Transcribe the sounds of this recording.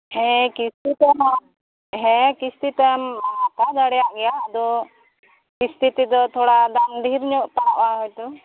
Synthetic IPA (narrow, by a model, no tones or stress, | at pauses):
hɛ̃kist̪it̪ɛɦ | ɦɛ̃kist̪it̪ɛmat̪ad͡ʒ̪aɽɛjaʔɡɛjaʔd̪ɔ | kist̪ʰit̪id̪ɔt̪ʰɔɽad̪aŋd̪ʱiɾɲɔʔpaaʔaɦɔjt̪ɔ